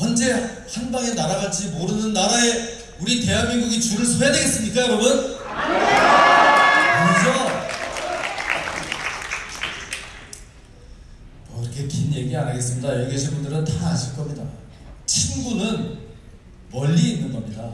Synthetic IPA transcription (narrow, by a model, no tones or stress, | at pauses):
ʌnd͡ʑe̞ | hanbaŋe̞naɾaɣat͡ɕ͈imoɾɯnɯnːaɾae̞ | uɾite̞ɦanmːiŋɡuɡit͡ɕuɾɯɭsʰʌjade̞ɡe̞s͈ɯmɲik͈ajoɾʌmʌn | ʌsʰʌ | mʌkiɾʌkʰe̞kʰinje̞ɡianaɡe̞s͈ɯmɲidajʌɭɡeɕʰibundɯɾɯntaaɕʰiɭk͈ʌmɲida̰ | t͡ɕʰinɡunɯn | mʌʎːiːnːɯnɡʌmɲida